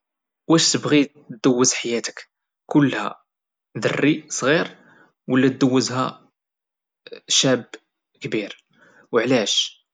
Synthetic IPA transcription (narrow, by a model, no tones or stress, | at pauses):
wæʃt̪əbɣi | d̪əwːəzħajæt̪ə̥k | kʊlːhæ̰ | d̪ə̰rːisˤɣiɾ | wəlːæt̪̚d̪əwːəzhæ | ʃæb | kbiɾ | wəʕlæʃ